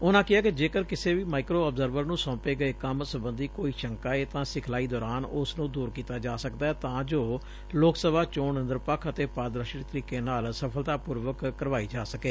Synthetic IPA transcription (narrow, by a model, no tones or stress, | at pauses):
ʊnãːkɪaːkɪd͡ʒeːkəɾkɪseːʋiːmaːɪkɾoːəbzəɾʋəɾnũːsɔ̃ːpeːɡəeːkəmsəbənd̪iːkoːiːʃəŋkaːeːt̪ãːsɪkʰlaːiːd̪ɔːɾaːnʊsnũːd̪uːɾkiːt̪aːd͡ʒaːsəkd̪aːɛːt̪ãːd͡ʒoː | loːksəbʱaːt͡ʃoːɳənd̪əɾpəkʰət̪eːpaːd̪ɾəʃɾt̪əɾiːkeːnaːlsəpʰəlt̪aːpuːɾʋəkːəɾʋaːiːd͡ʒaːsəkeː